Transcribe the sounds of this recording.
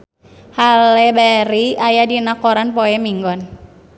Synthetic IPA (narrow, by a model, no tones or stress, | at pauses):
halɛbaɾiajadinakɔɾanpɔɛmiŋɡɔn